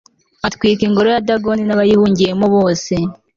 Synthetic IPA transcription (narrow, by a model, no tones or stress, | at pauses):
atkwiːkiŋɡo̞ɾojadaɡo̞ninaβajihuːɲɟiɾemoβo̞ːse̞